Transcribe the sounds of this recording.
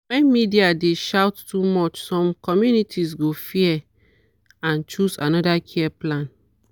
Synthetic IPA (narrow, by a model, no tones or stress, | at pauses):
wɛ̃nmidiadeʃaʊttumɔt͡ʃsɔ̃mkɔmjunitʰis̬ɡofiɛ | ãnt͡ʃusanɔdakʰiɛplãn